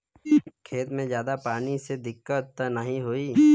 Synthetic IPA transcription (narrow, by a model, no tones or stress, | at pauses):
kʰeːt̪mẽzjaːd̪apaːnised̪ɪkːət̪nəɦĩɦoːiː